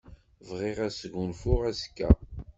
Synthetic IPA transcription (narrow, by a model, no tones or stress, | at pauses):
vʁiʁæsɡunfʊʁæskːæ̰